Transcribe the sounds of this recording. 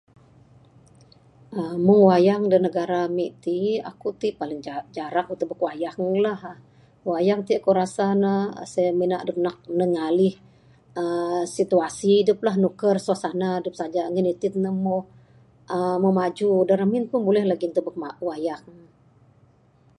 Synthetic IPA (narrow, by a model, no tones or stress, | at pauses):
əmuwajaŋdənəɡaɾamiʔt̪ia̰kut̪iʔpalɪŋd͡ʒaɾak̚ut̪ubəkwajaŋlah | wajaŋt̪iʔkuɾasanə̰samina̰ʔdup̚nak̚nəŋalɪh | əsit̪uasiːduplahnukərsuasanadəp̚sad͡ʒaŋənit̪ɪt̪̚nəmo | əmomad͡ʒudaɾaminpʊnbulɛhlaɡint̪ubək̚awajaŋ